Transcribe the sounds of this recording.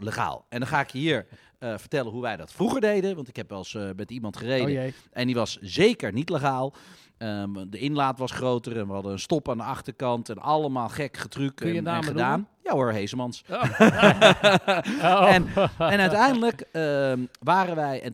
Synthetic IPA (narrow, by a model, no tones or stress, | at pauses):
ləχa̰ːlˠɛndɔnχaːɪkjəɦiːɹ | vəɹtɛlənɦuʋɛjdɑtfruχəɹdejdəʋɑntɪkɦɛpʋɛlˠsmɛtimɑntχərejdəʔɛniʋɑszejkəɹnitləχaːlˠ | ədəɪnlaːtʋɑsχrowtərɛnʋəɦɑdəənstɔpaːndəɑχtəɹkɑntɛnɑlˠəmaːlˠχɛkχətrykaːədaːnjaoɹɦejzəmɑns | ɛnɛnœtɛjndələkəʋaːrənʋɛjɛn